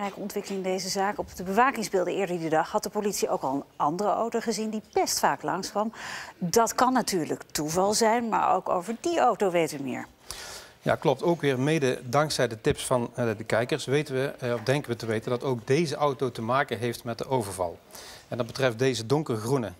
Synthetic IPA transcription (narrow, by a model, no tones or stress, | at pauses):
rɛjkəɔntʋɪkəlɪŋɪndejzəzaːkɔpdəbəʋaːkɪŋzbɪlˠdəɪːɹdəidədɑχɦɑt̚dəpolitsiʔowkɑlˠənɑndərəo̰wtowχəzindipɛstfaːklɑŋskʋɑmdɑtkɑnːatyːɹləktuvɑlˠzɛjnma̰ːɹo̰wko̰wvəɹdiowtowʋejtʋəmɪ̰ːɹ | ja̰ːklɔp̚towkʋɪːɹmejdədɑŋksɛjdətɪpsfɑndəkɛjkəɹsʋejtəʋəɔfdɛŋkəʋətəʋejtəndɑtowk̚dejzəʔɑwtowtəmaːkənɦejftmɛt̚dəʔowvəɹvɑ̰lˠɛndɑd̚bətrɛft̚dejzədɔŋkərəɣrunə